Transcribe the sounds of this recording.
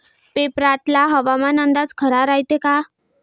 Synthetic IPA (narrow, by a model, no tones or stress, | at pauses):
pepɾat̪laɦəʋamanənd̪ad͡zkʰəɾaɾaɦjt̪eka